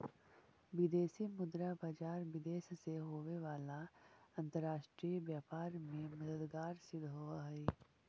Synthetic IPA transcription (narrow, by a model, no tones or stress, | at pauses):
ʋɪd̪eːsimʊd̪ɾabaːd͡ʒaːɾʋɪd̪eːʃseɦoːʋeʋaːlaɐ̃nt̪əɾːaːʃʈɾiʋjaːpaːɾmẽmɐd̪əd̪ɡaːɾsɪd̪ʱɦoːaɦɛː